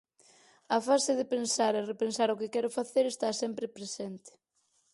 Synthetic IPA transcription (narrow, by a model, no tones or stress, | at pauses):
ɐfasɪðɪpensaɾerepensaɾʊkɪkɛɾʊfaθeɾest̪asɛmpɾɪpɾesɛnt̪ɪ̥